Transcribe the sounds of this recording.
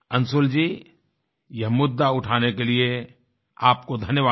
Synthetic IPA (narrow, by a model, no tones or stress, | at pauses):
ɐnsʊld͡ʒiː | jɐɦmʊd̪ːaʊʈʰaːnekelie | aːp̚kod̪ʱɐnjəʋaː